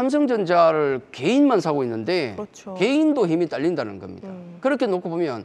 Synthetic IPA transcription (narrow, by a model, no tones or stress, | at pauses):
sʰams̬ʰʌŋd͡ʑʌnd͡ʑaɾɯɭke̞inmans̬ʰaɡoinːɯnde̞ | ke̞indoçimit͈aʎːindanɯnɡʌ̰mɲḭdakɯɾʌkʰe̞nokʰobomjʌ̰n